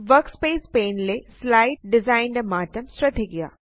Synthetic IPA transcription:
ʋəɾkspeːspeːnleslaɪʈɖɪzaːɪnɖɐmaːʈəmsɾɐd̪ʱiɡija̰ː

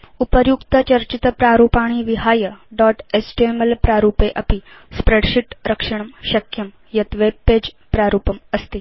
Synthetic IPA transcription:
upəɾjukt̪ət͡ɕəɾt͡ɕit̪əpɾaɾupaɽ̃iʋiɦajəɖɔʈesʈiemelpɾaɾupeʔɐpi | spɾeɽɕiʈɾəkʂəɳ̃əmɕɐkʰjəm | jɐt̪ʋeb̚ːed͡ʑ | pɾaɾuːpəməst̪i

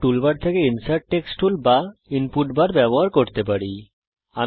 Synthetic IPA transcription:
ʈulbaɾt̪ʰekeinsajʈ̚ʈeksʈʰulbainpuʈbaɾbɛboɦaɾkoɾt̪ep̬aɽi | a

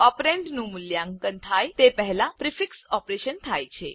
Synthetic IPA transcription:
ɔpɾeɳɖnuːmuljãŋɡkənt̪ʰajt̪epəɦlapɾifiksɔpɾeɕənt̪ʰajt͡ɕʰḛ

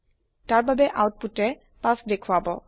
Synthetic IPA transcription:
taɹbabɛʔawt̚putɛ | pasdekʰwabɔ

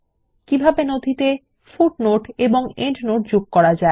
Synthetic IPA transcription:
kibʱabenod̪ʱit̪e | fuʈ̚noʈeboŋeɳʈnoʈ̚d͡ʑoɡ̚kɔɾad͡ʑae

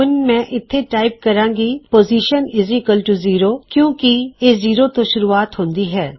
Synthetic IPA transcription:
ʊnmɛ̃ːʔɪt̪ʰːeʈaːɪp̚kəɾãːŋɡipoːziːʃənɪzɪkəlʈuziːɾoːkjõːkieːziːɾot̪õʃʊɾuːaːt̪ɦõːnd̪iːɦɛː

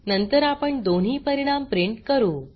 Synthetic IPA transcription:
nənt̪əɾapəɳd̪on̤ɦiːpəɾiɽ̃ampɾiɳʈkəɾuː

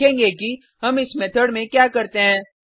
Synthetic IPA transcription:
ẽːɡeki | ɦɐmɪsmɛt̪ʰəɽmẽkjaːkɐɾt̪eɦɛ̃ː

